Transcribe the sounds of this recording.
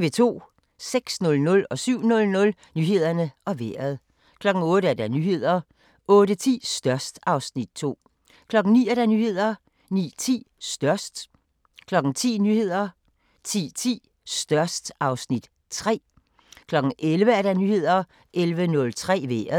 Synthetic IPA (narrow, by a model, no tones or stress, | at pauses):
ʋe̝t͡sʰo̝̰ː | seɡ̥snɔ̽lnɔ̽lɒ̽syʊ̰nɔ̽lnɔ̽l | nyːhe̝ð̞̰ˠɐnəʔɒ̽ʋeɐðˠ | kʰlɒ̽ɡ̥ŋ̩ɔ̽ːdɾəæɐd̥ænyːhe̝ð̰ˠɐ | ɔ̽ːɾət͡sʰḭːsd̥ɶɐsd̥ɑ̈ʊsnid̥̚t͡sʰo̝̰ː | kʰlɒ̽ɡ̥n̩nḭːæɐd̥ænyːhe̝ð̰ˠɐ | nḭːt͡sʰḭːsd̥ɶɐsd̥ | kʰlɒ̽ɡ̥ŋ̩t͡sʰḭːnyːhe̝ð̞̰ˠɐ | t͡sʰḭːt͡sʰḭː | sd̥ɶɐsd̥ɑ̈ʊsnid̥ | t͡sʰʁɛ̰ː | kʰlɒ̽ɡ̥ŋ̩ʔelʋəæɐd̥ænyːhe̝ð̞̰ˠɐ | ʔelʋənɔ̽lt͡sʰʁɛ̰ːʋḛːɐðˠ